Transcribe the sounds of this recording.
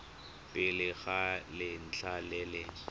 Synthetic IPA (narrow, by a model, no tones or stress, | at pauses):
pʼɪlɪɣalɪn̩t͡ɬʰalɪlɪ